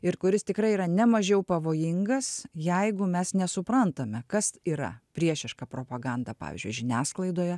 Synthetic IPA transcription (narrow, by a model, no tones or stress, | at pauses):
ɪrkʊɾʲɪst̪ʲɪkɾɐɪiɾɐnʲɛmɐʒʲɛʊpɐʋoːjɪŋɡɐsjɛɪɡʊmʲɛsnʲɛsʊpɾɐnt̪ɐmʲɛkɐsiːɾɐ̰pʲɾʲiɛʃʲɪʃkɐpɾoːpɐɡɑnd̪ɐpɑ̰ːʋ̰ʲzʲd͡ʒʊɪʒʲɪnʲæːsklˠɐɪd̪oːjɛ